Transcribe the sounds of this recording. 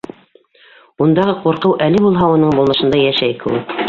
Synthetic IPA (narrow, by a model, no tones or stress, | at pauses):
und̪ɑʁɤquɾqɤwʔælɘbulˠɦɑunɤɴbulˠnɤ̆ʃɤ̆nd̪ɑjæʃæjkɘ̰̆wɘk